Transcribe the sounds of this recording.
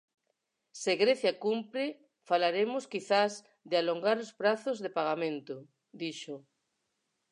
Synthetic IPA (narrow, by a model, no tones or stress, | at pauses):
seɣɾeθjakumpɾe | falaɾemoskiθaz | ðealoŋɡaɾospɾaθozðepaɣ̞amẽnt̪o | d̪iʃo